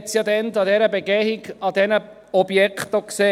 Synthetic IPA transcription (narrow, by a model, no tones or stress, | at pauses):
t͡sjɑd̪ɛndɑdɛɾəbeɡɛhiɡɑd̪ɛnə | ɔb̥jɛkχt̪okseː